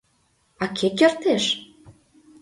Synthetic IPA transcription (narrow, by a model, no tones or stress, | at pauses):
ɑkʰekert̪eʃ